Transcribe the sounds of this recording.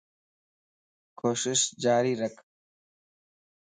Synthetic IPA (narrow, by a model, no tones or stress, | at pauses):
kʰoːʃɪʃd͡ʒaːɾiːɾəkʰ